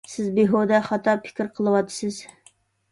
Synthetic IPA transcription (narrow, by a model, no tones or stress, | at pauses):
sɪzbeɦod̪ɛχɑt̪ʰɑpʰɪ̥kʲɪɾqʰəlˠɨwɑt̪ʰːɨ̥sɨz̥